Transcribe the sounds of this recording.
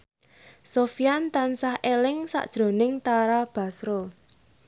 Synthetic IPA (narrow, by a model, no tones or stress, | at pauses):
sofijant̪ansahʔelɪŋsa̰ʔd̥ʒ̥ɾo̤nɪŋt̪aɾab̥a̤sɾo